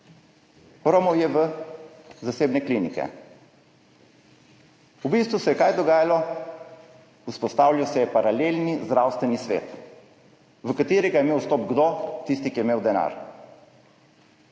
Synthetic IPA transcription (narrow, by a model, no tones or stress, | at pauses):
xɾomɔwjɛʋə | zaseːbnɛklinikɛ̰ | ubist̪ʋusɛjɛkajd̪ɔɡaːjalɔ | uspɔst̪aːwlʲiwsɛjɛpaɾaleːlnizd̪ɾawst̪ʋɛnisʋḛːt̪ | ʋəkat̪eːɾɛɡajɛmewst̪oːp̚ɡd̪ot̪ist̪ikijɛmeːwd̪ɛna̰ːɾ